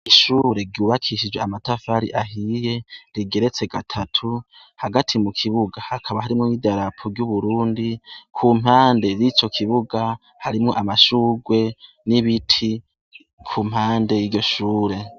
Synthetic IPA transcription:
iʃuːɾe̞ɾɟuːβakʰiʃid͡ʒwe̞amatafaɾḭʔaɦije̞ɾiɡe̞ɾe̞t͡se̞ɡatʰatʰu | haɡatʰimukʰiβuɡahakʰaβaɦaɾimŋomidaɾapʰoɾjuβuɾuːndikʰum̥haːnde̞jit͡ʃo̞kʰiβuɡa | haɾimŋo̞ʔamaʃuːɡwe̞ | niβitʰi | kʰum̥haːnde̞jiɾɟo̞ʃuːɾe̞

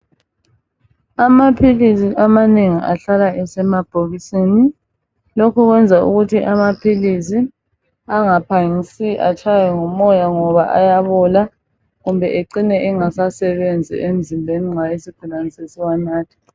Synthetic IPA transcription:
amapʰilisiʔamaneŋiʔa̰ɬalaʔɛsɛmab̥ʱoɣisini | lokuɣwɛnd͡zʱaṵɣutʰiʔamapʰilis̬i | aŋapʰaŋisiʔa̰t͡ʃʰajɛŋɔmɔjaŋɔβaʔa̰jaβɔla | ɣumbʱɛʔeǀinɛʔɛŋasasɛβend͡zʱḭʔem̩zimbʱeniŋajesiɡ̥ʱulanisesiwanaːtʰi̥

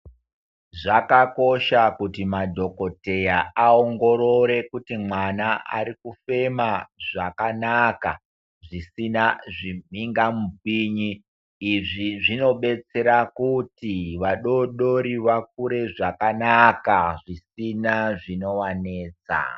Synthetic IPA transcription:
ʐakako̞ʃakutimadʱo̞ko̞te̞jaaoŋɡo̞ɾo̞ɾe̞kutimwanaʔa̰ɾikufe̞maʐakanaka | ʐisinaʐimiŋɡamup̚iːɲiː | ʐiʐino̞ɓe̞t͡se̞ɾakutiʋaɗo̞ɗoɾiʋak̚uɾe̞ʐakanakaʐisinaʐino̞ʋaneːt͡sa̰

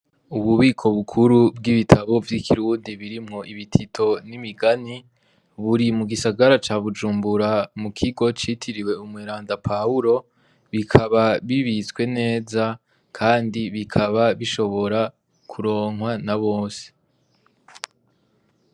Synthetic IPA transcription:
uβuβiːkʰo̞βukʰuɾubɡiβitʰaβo̞vjikʰiɾuːndiβiɾimŋo̞ʔiβitʰitʰo̞nimiɡani | βuɾimuɡisaɡaɾat͡ʃaːβud͡ʒuːmbuɾamukʰiɡo̞t͡ʃitʰiɾiwe̞umŋeːɾaːndapʰauɾo̞ | βikʰaβaβiβit͡skwe̞ne̞ːza | kʰaːndiβikʰaβaβiʃo̞βo̞ɾa | kʰuɾo̞ːŋɦwanaβo̞ːse̥

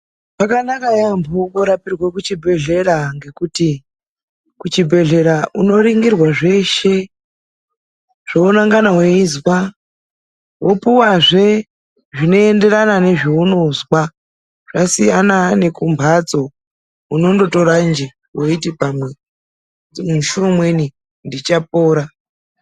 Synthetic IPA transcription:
pakanakajambʱokoɾapirwekut͡ʃibʱe̞ɮe̞ɾaŋɡe̞kuti | kut͡ʃibʱe̞ɮe̞ɾaʔuno̞ɾiŋɡirwaʐe̞ʃe̞ | ʐ̥ounaŋɡanaweizwa | wopuwaʐe̞ | ʐino̞e̞nde̞ɾanane̞ʐiunozwa | ʐ̥asijanane̞kumbʱad͡zo̞ | uno̞ndo̞to̞ɾand͡ʒi | woitipamwe̞ | muʃuomwe̞ni | ndit͡ʃapoːɾa

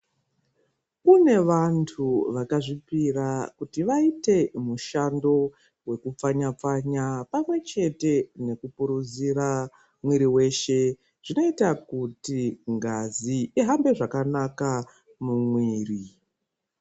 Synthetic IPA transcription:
kune̞ʋantʰuʋakaʐipirakutiʋaite̞muʃando̞ | we̞kup͡faɲap͡faɲapamwe̞t͡ʃe̞te̞ne̞kupuɾud͡ziɾa | mwiɾiwe̞ʃe̞ | ʐ̥ino̞itakutiŋɡaziiɦambe̞ʐakanaka | mumwiːri

